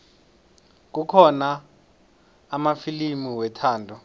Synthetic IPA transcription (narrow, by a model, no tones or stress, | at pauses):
k̬ukʰɔna | mafilimiwɛtʰaːndʱɔ